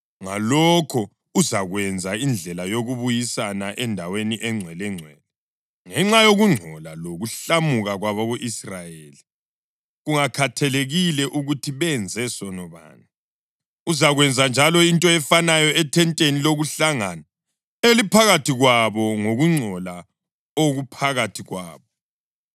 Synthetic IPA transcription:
ŋalɔkʰɔ | uzaɣwɛnd͡zʱaind͡ɮʱɛlajoɣuβujisanaʔɛndʱaweniʔɛŋ͡ǀʱwɛlɛŋ͡ǀʱwɛ̰ːlɛ | ŋɛŋ͡ǁajoɣuŋ͡ǀʱɔlaloɣuɬamuɣaɣwaβaβoʔisrajeeli | ɣuŋakʰatʰɛleɣilɛʔuɣutʰiβɛnd͡zʱɛsɔnɔβa̰ːna | uzaɣwɛnd͡zʱand͡ʒʱalɔintʼɔɛfanajɔɛtʰɛntʼeniloɣuɬaŋana | elipʰaɣatʰiɣwaβɔŋoɣuŋ͡ǀʱɔla | oɣupʰaɣatʰiɣwa̰ːβɔ

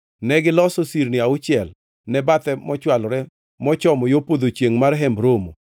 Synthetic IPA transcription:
nɛɡɪlɔsosiɾnɪaʊt͡ʃɪɛl | nɛbat̪ɛmɔt͡ʃwalɔɾɛ | mɔt͡ʃɔmɔjopod̪ot͡ʃjeŋmaɾɦɛmbɾomo

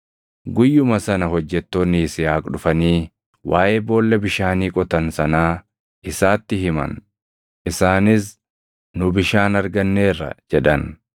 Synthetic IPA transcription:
ɡʊjːʊmɐsɐnɐɦɔd͡ʒːɛt̪ːoːnːiːsɪjaːkʼɗʊfɐniː | waːʔeːbo̞ːlːɛbɪʃaːniːkʼɔt̪ɐnsɐnaː | ʔɪsaːt̪ːɪɦɪmɐ̰n | ʔɪsaːnɪs̬ | nʊbɪʃaːnɐɾɡɐnːe̞ːrːɐ̰d͡ʒɛᶑɐn

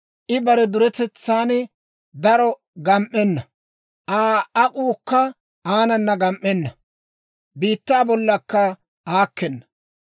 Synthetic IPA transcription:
ʔɪbɐɾɛd̪ʊɾɛt̪ɛt͡sːaːn | d̪ɐɾɔ | ɡɐmʔːɛnːɐ | ʔaːɐkʼuːkːɐ | aːnɐnːɐɡɐmʔːɛnːɐ | biːt̪ːaːbɔlːɐkːɐ | aːkːɛnːɐ̥

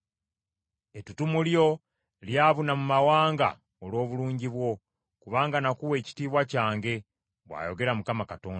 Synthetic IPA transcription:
e̞tutumuljo̞ | ljaːβunamumawaːŋɡa̰ | olwo̞ːβuluːɲɟiβwo̞ | kuβaːŋɡanakuwe̞ːci̥tiːβwacaːŋɡe̞ | βwa̰ːjo̞ɡe̞ɾamukamakato̞ːn

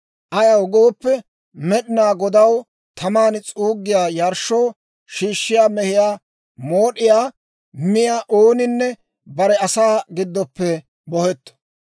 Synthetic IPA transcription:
ʔɐjɐwɡoːpːɛ | mɛɗɪnaːɡɔd̪ɐw | t̪ʰɐmaːnt͡sʼuːɡːɪjaːjɐɾʃːoː | ʃiːʃːɪjaːmɛhɪjaː | moːɗɪjaː | mɪjaːʔoːnɪnːɛ | bɐɾɛɐsaːɡɪd̪ːɔpːɛ | bɔhɛt̪ː

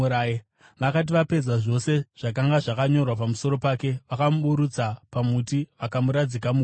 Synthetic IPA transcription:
uɾaːje | ʋakat̬iʋape̞d͡zaʐo̞se̞ʐ̥akaŋɡaʐakaɲo̞rwapamuso̞ɾo̞pake̞ʋakamuɓuɾud͡zapamutiʋakamuɾad͡zikamu

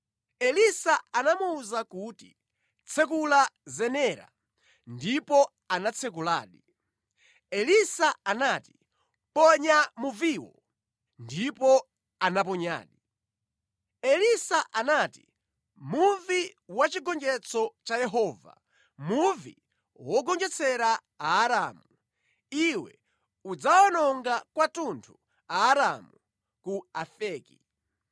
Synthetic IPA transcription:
ɛlisaanamuːzakuːti | t͡sʰɛk̬ulazɛnɛɾa̰ | ndipɔ | anat͡sʰɛk̬ula̰ːɗi | ɛlisaanati̥ | pɔɲamuviːwɔ | ndipɔ | anap̬ɔɲa̰ːɗi | ɛlisaʔanaːti̥ | muviwat͡ʃiɡɔnd͡ʒɛt͡sɔt͡ʃajɛɦɔːva̰ | muvḭ | wɔɡɔnd͡ʒɛt͡sʰɛɾa | aːɾaːmu | iwɛ̰ | ud͡zawanɔŋɡakwatuntʰu | aːɾamu | kuafɛːki

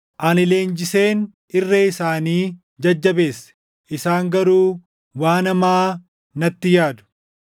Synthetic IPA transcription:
ʔɐnɪle̞ːnd͡ʒɪse̞ːn | ɪrːeɪsaːniː | d͡ʒɐd͡ʒːɐbe̞ːsːɛ̥ | ʔɪsaːŋɡɐɾuː | waːnɐmaː | nɐt̪ːɪjaːd̪ʊ̥

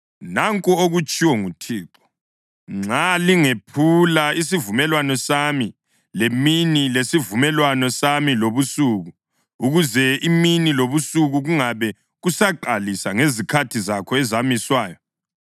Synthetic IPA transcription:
naŋkʼuoɣut͡ʃʼiwɔŋutʰiːǁɔ̥ | ŋ͡ǁaliŋepʰulais̬ivumɛlwanɔsami | leminilesivumɛlwanɔsamiloβusuɣu | uɣuzɛiminiloβusuɣuɣuŋaβɛ | ɣusaǃalisaŋezikʰatʰizakʰɔɛzamiswaːjɔ

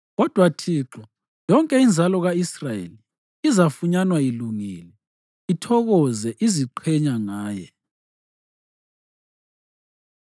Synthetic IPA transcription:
ɣɔd̥ʱwatʰiǁɔ | jɔŋkʼɛind͡zʱalɔɣaisrajḛli | izafuɲanwailuŋiːlɛ | itʰɔɣɔzɛʔiziǃʰɛɲaŋaːjɛ

